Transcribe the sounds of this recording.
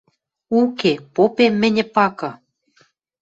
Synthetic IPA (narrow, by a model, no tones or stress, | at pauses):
ukepopemːɘ̆nʲɘ̆pɑkɤ̆